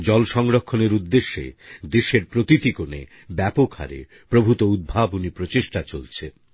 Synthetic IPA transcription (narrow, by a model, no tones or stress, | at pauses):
d͡ʑɔlʃɔŋɾokʰːoneɾud̪ːeʃːḛd̪eʃeɾpɾot̪it̪ikonḛ | bɛpokʰha̰ɾḛ | pɾobʱut̪oud̪̚bʱabunipɾot͡ɕeʃʈat͡ɕolt͡ɕʰe